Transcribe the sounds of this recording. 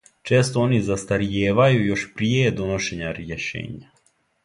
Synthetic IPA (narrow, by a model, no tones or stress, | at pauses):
t͡ʃeːst̪oonizast̪aɾijeːʋajujo̞ʃpɾijejed̪o̞noʃeɲaɾjeʃḛːɲa